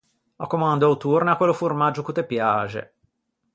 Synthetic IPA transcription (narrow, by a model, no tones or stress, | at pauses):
ɔkːomand̪oawt̪urnakwelːofurmad͡ʒːokut̪ːepjaːt͡ʃḛ